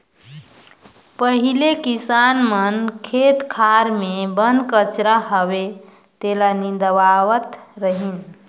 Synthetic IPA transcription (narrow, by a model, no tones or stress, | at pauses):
pəɦilekisanmənkʰet̪kʰaɾmebənkət͡ʃɾaɦəβe | t̪elanid̪əbawət̪ɾəɦin